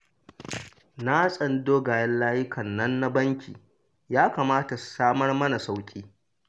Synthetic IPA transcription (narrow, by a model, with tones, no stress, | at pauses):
na˦sʼɐ˨ndoː˦ɡaː˨jɐ˦nlaː˦jɪ˦kʰɐ˨nːɐ˦nːa˦bɐ˦ŋkʲʰḭː˨ | jaː˦kaː˨maː˦ta˨ssaː˦mɐ˦rmɐ˦na˨sa˦wkʲʼiː˦